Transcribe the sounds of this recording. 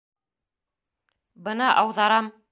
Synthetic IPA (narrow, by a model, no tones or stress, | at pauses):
bɤnɑʔɑwðɑɾɑm